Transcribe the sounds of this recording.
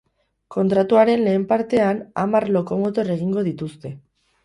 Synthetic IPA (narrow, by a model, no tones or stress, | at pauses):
ko̞nt̪ɾat̪uaɾe̞nle̞ːmpaɾt̪e̞ana̰maɾlo̞ko̞mo̞t̪o̞ɾe̞ɣ̞iŋɡo̞ð̞it̪ust̪e̞